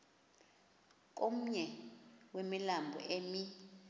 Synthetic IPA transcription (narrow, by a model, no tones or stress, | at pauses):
k̬ʼomuɲɛwemilambʱɔ̰ʔeːmi